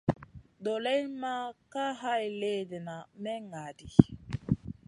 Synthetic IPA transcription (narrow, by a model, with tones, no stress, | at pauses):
do˨lɛ˦jma˦ka˦ɦa˦jle˦de˨na˨mɛ˦ŋa˨di˨